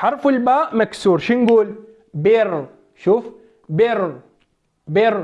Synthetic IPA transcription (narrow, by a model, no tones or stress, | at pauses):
ħɑɾˤfulbaːmaksuːɾʃiŋɡuːl | beɾ | ʃuf | beɾ | beɾ